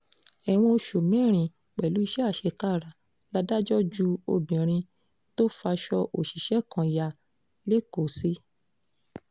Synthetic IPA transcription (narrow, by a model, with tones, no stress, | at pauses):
ɛ˨w̃ɔ̃˧o˧ʃu˨mĩ˨˦ɾ̃ĩ˨ | k͡pɛ˨lu˨˦i˧ʃɛ˦a˦˨ʃe˧ka˦˨ɾa˨ | la˦da˦d͡ʒɔ˦d͡ʒu˦o˧bĩ˨ɾ̃ĩ˧ | to˦fa˧ʃɔ˧ʔo˨ʃi˨ʃɛ˦kã˧ja˧˨ | le˦ko˨si˦